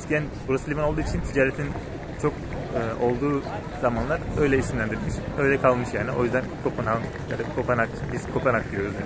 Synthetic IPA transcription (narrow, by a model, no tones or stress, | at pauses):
iscʰijænbuɾasɯlʲimanolˠd̪uːit͡ʃʰint̪ʰid͡ʒaːɾɛt̪ʰin | t͡ʃʰo̞k | ɯːo̞lˠd̪uː | zamanlˠaɾø̞jlʲɛisimlʲænd̪iɾilʲmiʃø̞jlʲɛkʰalˠmɯʃjaːniʔo̞̰jyzd̪ænkʰopʰɯnaja̰d̪akʰopɛnakbiskʰo̞pɛnak̪ijo̞ɾuzjaːn